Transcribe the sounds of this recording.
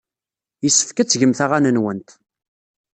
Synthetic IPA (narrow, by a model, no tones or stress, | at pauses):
jəsːə̥fkæt͡sːʝəmθaʁanənwənt̪